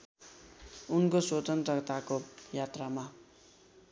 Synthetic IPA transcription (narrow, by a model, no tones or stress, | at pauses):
unkoswot̪ʌnt̪rʌkt̪akojat̪rama